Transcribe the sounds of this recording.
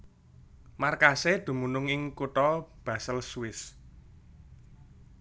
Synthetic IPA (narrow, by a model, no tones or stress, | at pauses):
markased̪̥ṳmunʊŋɪŋkuʈ̪ɔb̥a̤səlsuwɪs